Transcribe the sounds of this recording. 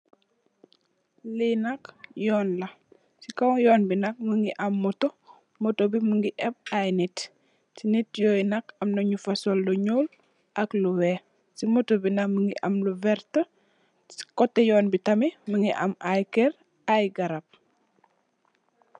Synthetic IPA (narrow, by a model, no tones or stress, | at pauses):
linakjɔːnlɐ | sikawjɔːnbinak̚məŋɡiʔamːɔto | mɔtobiməŋɡiʔɛb̚ajnit | sinitjojnakɐmnoɲufasolːuɲul | ʔakluwɛ | simotobinakməŋɡḭʔɐ̰mluvɛɾtə | si̥kɔtːɛjɔːnbitɐmiməŋɡiʔa̰majkɛɾ | ajɡaɾap̚